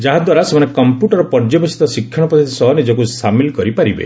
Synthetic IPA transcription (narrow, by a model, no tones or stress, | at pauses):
d͡ʒaɦad̪waɾasemanekɔmpjuʈɔɾɔpɔɾd͡ʒɔbɔsit̪ɔsikʰːjɔɽ̃ɔpɔd̪ʰit̪ʰisɔɦɔnid͡ʒɔkusamilkɔɾipaɾibḛ